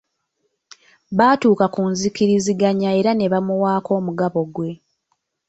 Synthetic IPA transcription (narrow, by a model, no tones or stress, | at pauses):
βaːtuːkakunzikiɾiziɡaɲae̞ɾane̞βamuwaːko̞ːmuɡaβo̞ɡwe̞